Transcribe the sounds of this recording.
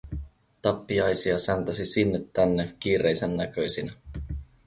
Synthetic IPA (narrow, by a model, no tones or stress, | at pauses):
t̪ɑpːiɑjsiɑsænt̪ɑsisinːet̪ːænːek̟iːre̞jsenːækø̞jsinæ